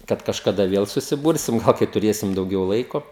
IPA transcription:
ˈkɐt kɐʃkɐˈdɐ ˈʋʲiɛlˠ sʊsʲɪˈbʊrʲsʲɪm ˈɡɐlˠ kɐɪ tʊˈrʲeːsʲɪm dɐʊˈɡʲɛʊ ˈlˠɐɪkoː

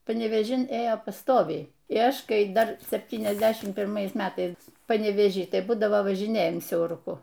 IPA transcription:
pɐnʲɛʋʲeːˈʒʲɪn ˈeːjoː pɐˈstoːʋʲɛɪ iː ˈɐʃ ˈkɐɪ ˈdɐr sʲɛpʲˌtʲiːnʲɛzʲˈdʲæːʃʲɪmt pʲɪrˈmɐɪs ˈmʲæːtɐɪs pɐnʲɛʋʲeːˈʒʲiː ˈtɐɪ ˈbuːdɐʋoː ʋɐʒʲɪˈnʲeːjɛm sʲɛʊrʊˈkʊ

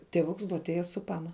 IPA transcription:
ˈtʲeːʋʊks ˈbʊʋɐ ɐtʲˈeːjɛs sʊ ˈpɑːnɐ bʊtʲɛ sʊ pɐnɐ

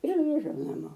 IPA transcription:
ɪr ɡrʲɪˈʒɐʊ nɐˈmoː

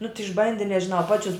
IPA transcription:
nʊ tʲɪ ɪʒˈbɐnʲdʲɪ nʲɛʒʲɪˈnɐʊ ˈpɑːt͡ʃʲʊs

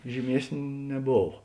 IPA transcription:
ʒʲiːˈmʲiɛsʲnʲ nʲɛˈboːw

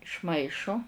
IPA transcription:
ɪʃˈmɐɪʃʊ

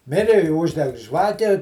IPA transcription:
ˈmʲɪrʲɪ ɪ ˈʊʒʲˈdʲɛk ˈʒʋɑːkʲɛ

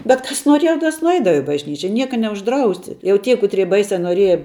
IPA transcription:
bʲɛt ˈkɐs noːˈrʲiɛjɛ tɐs nʊˈɛɪdɐʋɐ ɪ bɐʒʲˈnʲiːt͡ʃʲɛ ˈnʲiɛkɐ nʲɛʊʒˈdrɐʊsʲɪ jɛʊ ˈtʲiɛ kʊˈtʲrʲiɛ ˈbɐɪsʲɛ noːˈrʲiɛjɛ

